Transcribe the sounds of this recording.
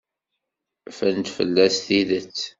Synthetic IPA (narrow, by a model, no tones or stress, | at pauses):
fænt̪fə̰lːæsθiðət͡sː